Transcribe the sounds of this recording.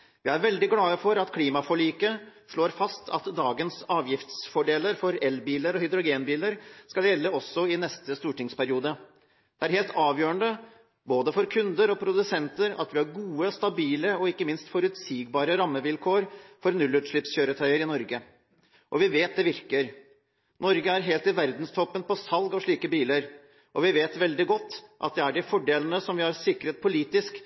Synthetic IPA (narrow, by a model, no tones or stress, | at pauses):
ʋɪæɾʋɛld̪ɪɡlɑːəfɔɾɑt̪kʰliːmɑfɔɭiːkəʂɭoːɾfɑst̪ʰɑ̰t̪d̪ɑːɡənsɑːʋjɪft̪sfɔɖeːləɾfɔɾɛlbiːləɾɔhɪd̪ɾʊɡeːnbiːləɾskɑljɛlːəɔsːɔɪnɛst̪əst̪uːʈɪŋspæɾɪuːd̪ə | d̪̥ɛæɾheːlt̪ʰɑːʋjøːɾəɳd̪ə | boːd̪əfɔɾkʰʉnd̪əɾɔpʰɾʊd̪ʉsɛnt̪əɾɑ̰t̪ʋɪhɑɾɡuːəst̪ɑbiːləɔɪkːəmɪnst̪fɔɾʉt̪siːɡ̚bɑːɾəɾɑmːəʋɪlkʰoːɾfɔɾnʉlːʉt̪ʂɭɪpsçøːɾət̪ʰœɪəɾɪnɔɾɡə | ʔɔʋɪʋeːt̪̚d̪ɛʋɪɾkəɾ | nɔɾɡəæɾɦeːlt̪ɪʋæɾd̪n̩st̪ʰɔpːənpɔsɑlɡɑʋʂɭiːkəbiːləɾ | ʔɔʋɪʋeːt̪ʋɛld̪ɪɡɔt̪ːʔɑ̰t̪̚d̪ɛæɖɪfɔɖeːlənəsɔmʋɪhɑɾsɪkɾət̪̚pʰʊliːt̪ɪsk